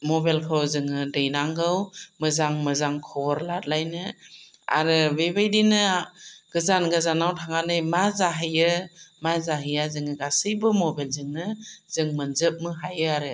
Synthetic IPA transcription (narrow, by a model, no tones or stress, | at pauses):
mɔbelkʰɯwzɯŋɯdɯjnaŋɡɯwmɯzaŋmɯzaŋkʰɔɾlat̚lajnɯ | a̰ɾɯbebajdinɯɡ̥ɯzanɡɯzanawtʰaŋanɯjmazaɦɯjɯmazaɦɯjazɯŋɯɡasɯjbɯmɔbelzɯŋnɯz̥ɯŋmɯnzɯp̚mɯɦajɯaɾɯ